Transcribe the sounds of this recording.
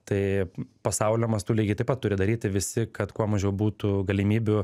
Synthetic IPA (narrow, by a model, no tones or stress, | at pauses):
t̪ɐɪpɐsɐʊlʲomɐst̪uːlʲiːɡʲɪt̪ɐɪpɐt̪ːʊɾʲɪd̪ɐɾʲiːt̪ʲɪʋʲɪsʲɪkɐt̪kuɔmɐʒʲɛʊbuːt̪ʊɡɐlʲɪmʲiːbʲʊ